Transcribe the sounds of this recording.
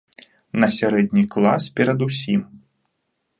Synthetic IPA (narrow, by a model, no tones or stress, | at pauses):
nɐsʲaɾɛd̪̚ʲnʲiklˠa̰spʲɛɾɐd̪usʲim